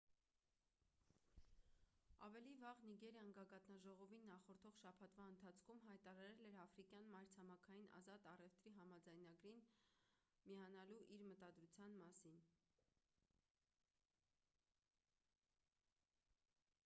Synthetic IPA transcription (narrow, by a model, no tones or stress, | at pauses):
ɑ̰vɛlivɑʁniɡɛɾjɑŋɡɑɡɑt̪nɑʒɔʁɔvinːɑχɔɾt̪ʰɔʁʃɑpʰɑt̪ʰvɑənt̪ʰɑt͡sʰkʰumɦɑjt̪ɑɾɑɾɛlɛɾɑfɾikjɑnmɑjɾt͡sʰɑmɑkʰɑjinʔɑ̰zɑt̪ɑrɛft̪ɾiɦɑmɑd͡zɑjnɑɡɾin | mijɑnɑluʔiɾmət̪ɑd̪ɾut͡sʰjɑnmɑsin